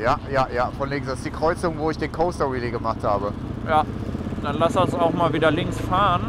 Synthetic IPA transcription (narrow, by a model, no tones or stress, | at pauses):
jaːjaːjaːfɔnlɪŋsd̥asɪ̥sd̥iːkʁ̥ɔʏt͡sʊŋvoːɪçd̥eːnkʰoʊstɔʁiliɡəmaχthaːbəjad̥anlasasaʊxmaːlviːdɐlɪŋsfaːʁən